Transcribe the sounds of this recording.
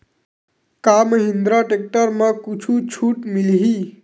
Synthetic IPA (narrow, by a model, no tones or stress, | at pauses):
kaməɦɪ̃nd̪ɾaʈek̚ʈəɾmãkut͡ʃʰut͡ʃʰuːʈmilɦiː